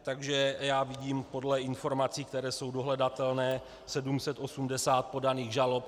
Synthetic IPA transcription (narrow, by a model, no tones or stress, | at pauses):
t̪aɡʒɛjaːviɟiːmpo̞dlɛʔɪnfo̞ɾmat͡siːkt̪ɛɾɛːso̞wdo̞ɦlɛdat̪ɛlnɛː | sɛdumsɛt̪ʔo̞sumdɛsaːt̪̚po̞daniːɣʒalo̞p̚